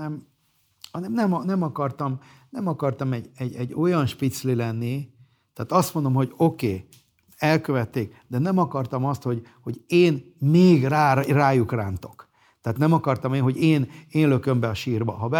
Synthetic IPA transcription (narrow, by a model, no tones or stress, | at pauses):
ɛm | hɒnɛmnɛmɒnɛmɒkɒrt̪ɒmnɛmɒkɒrt̪ɒmɛɟɛɟːɛɟːo̞jɒnʃpit̪slilɛnːi | t̪ɛːt̪ɒst̪mond̪o̞mɦo̞ɟo̞keː | ɛlkøvɛt̪ːeːk̚ | d̪ɛnɛmɒkɒrt̪ɒmɒst̪ho̞ɟ | ho̞ɟeːnmeːɡraːraːjukraːnt̪o̞k | t̪ɛːt̪nɛmɒkɒrt̪ɒmeːnɦo̞ɟeːneːnløkø̞mbɛɒʃiːrbɒ̰ɦɒbɛ